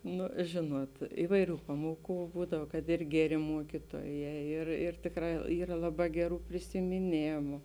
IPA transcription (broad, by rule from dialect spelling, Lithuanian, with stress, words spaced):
ˈnʊ ˈʒʲeːnuɔt ˈɪʋɐɪˌrʲuː ˈpɑːmuɔˌkuː ˈbuːdɐw kɐt ɪr ˈɡʲæːˌrʲeː ˈmuɔkʲiːtuɔˌjɛː ˈɪr ɪr ˈtʲeːkˌrɑː ˈiːrɐ ˈlˠɑːˌbɑː ˈɡʲæːˌruː pʲrʲɪsʲɪmʲɪˈnʲeːmʊ